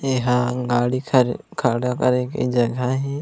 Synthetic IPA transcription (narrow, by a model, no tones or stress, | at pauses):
eɦaɡaːɽikʰkʰaɽakɐɾekḭd͡ʒɐɡaɦɛː